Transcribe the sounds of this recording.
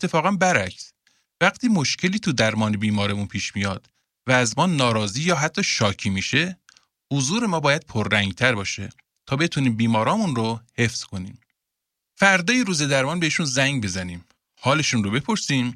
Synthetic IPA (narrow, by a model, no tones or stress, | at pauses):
ʔet̪ʰːe̞fɒːɣænbæɾæcʰs | væɡt̪ʰiːmo̞ʃcʰe̞liːt̪ʰud̪æɾmɒːnebiːmɒːɾemunpʰiːʃmijɒːd̪̥ | væːzmɒːnɒːɾɒːziːjɒːɦæt̪ʰːɒːʃɒːcʰiːmiːʃe̞ | hozuːɾe̞mɒːbɒːjæd̪̥̚pʰoɾːæŋɡt̪ʰæɾbɒːʃe̞̰ | t̪ʰɒːbe̞t̪ʰuniːmbiːmɒːɾɒːmunɾohe̞fz̥kʰo̞nḭːm | fæɾd̪ɒːjeɾuːze̞d̪æɾmɒːnbeiːʃunzæŋɟbe̞zæniːm | hɒːle̞ʃunrobe̞pʰo̞ɾsiːm